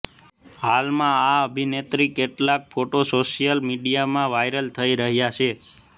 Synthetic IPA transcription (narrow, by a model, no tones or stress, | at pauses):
ɦalmãaəbʱinet̪ɾikeʈlak̚fʰoʈosoʃijəlmiɖijamãʋajɾəlt̪ʰəiɾəɦjat͡ʃʰe